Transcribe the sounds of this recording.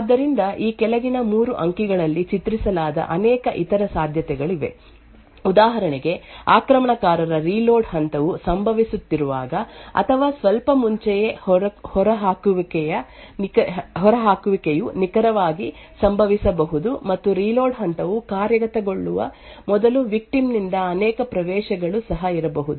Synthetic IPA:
ad̪ːɐɾind̪ɐʔiːkɛlɐɡinɐmuːɾuʔɐŋkiɡɐɭɐlːit͡ʃit̪ɾisɐlaːd̪ɐ̰ʔɐnɛːkɐʔit̪ɐɾɐsaːd̪ʱjɐt̪ɛɡɐɭiʋe̞̰ | ud̪aːɦɐɾɐɳiɡe̞aːkɾɐmɐɳɐkaːɾɐɾɐɾiːloːɖɦɐnt̪ɐʋusɐmbʱɐʋisut̪ːiɾuʋaːɡɐɐ̰t̪ʰɐʋaːsʋɐlpɐmuɲt͡ʃɛjehhɔɾɐɦaːkuʋikɛjɐ | nkɦɔɾɐɦaːkuʋikejunikɐɾɐʋaːɡi | sɐmbʱɐʋisɐbɐɦud̪umɐt̪ːuɾiːlo̞ːɖɦɐnt̪ɐʋukaːɾjɐɡɐt̪ɐɡo̞ɭːuʋɐ̰mɔd̪ɐluʋik̚ʈimnind̪ɐɐnɛːkɐpɾɐʋɛːʃɐɡɐɭusɐɦɐiɾɐbɐɦud̪u

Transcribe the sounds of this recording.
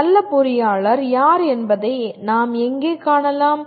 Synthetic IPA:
ɐlːɐpʊɾɪjaːɭɐɾjaːɾɛnbɐðɐɪnaːmɛŋɡeːkaːɳɐlaːm

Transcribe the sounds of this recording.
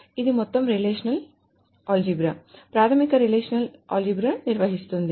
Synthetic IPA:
iðɯmɔt̪ːɐmɾileːʂɐnɐl | aːld͡ʒibɾɐpɾaːt̪ʰɐmikːɐɾileːʂɐnɐlʔa̰ːld͡ʒibɾɐniɾʋɐɦist̪ːund̪i

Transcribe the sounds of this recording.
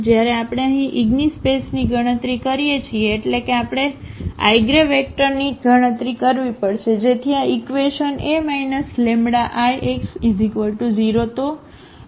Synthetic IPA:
d͡ʒjaɾeapɽ̃eəɦĩʔiɡnispesniɡʱəɽ̃ə̃t̪ɾikəɾijet͡ʃʰieːʈlekeapɽ̃ea̰jɡɾeʋek̚ʈəɾniɡʱəɽ̃ə̃t̪ɾikəɾʋipəɽʃed͡ʒet̪ʰiaikʋeʃənemainəslemɽaʔajʔeksizikʋəlʈud͡ʒiɾot̪o

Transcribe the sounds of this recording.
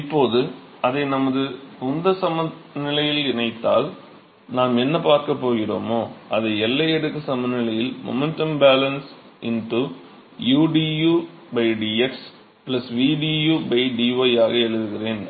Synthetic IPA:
ɪpːoːðɯ | ɐðɐɪnɐmɐðɯʊnd̪ɐsɐmɐnɪlɐjɪɪlɪnɐɪt̪ːa̰ːl | naːmɛnːɐpaːɾkɐpːoːɣɪro̰ːmoːʔɐðɐɛlːɐɛɽɯkːɐsɐmɐnɪlɐjɪlmɔ̰mɛnʈɐmbaːlɐnsʔɪnʈu | juːɖiːjuː | bɐɪɖiːɛks | plɐsʋiːɖijuːbɐɪɖiːʋɐɪaːɣɐɛɻɯðɯɣɪreːn

